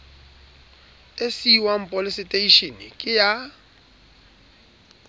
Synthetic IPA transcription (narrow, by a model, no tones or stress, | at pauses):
esiwam̩pʼolisitʼeiʃinikʼɪja